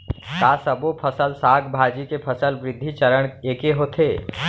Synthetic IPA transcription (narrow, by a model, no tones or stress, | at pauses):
kaːsəbopʰəsəlsaːɡbʱaːd͡ʒikepʰəsəlʋɾɪd̪ʱːit͡ʃəɾəɽ̃eːkeɦoːt̪ʰeː